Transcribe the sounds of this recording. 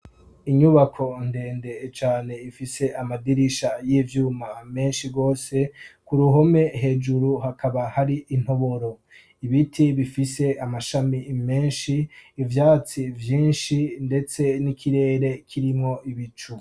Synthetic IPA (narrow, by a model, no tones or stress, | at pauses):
iɲuβakʰo̞nde̞ːnde̞t͡ʃaːne̞ifise̞ʔamadiɾiʃajiːvjuːmame̞ːnʃiɾɡo̞ːse̞kuɾuɦo̞me̞ɦe̞ːd͡ʒuɾuhakʰaβahaɾiʔːn̥ho̞βo̞ɾo̞ | iβitʰiβifise̞ʔamaʃamime̞ːnʃiːvjaːt͡sivjiːnʃinde̞t͡se̞nikʰiɾe̞ːɾe̞kʰiɾimŋo̞iβit͡ʃu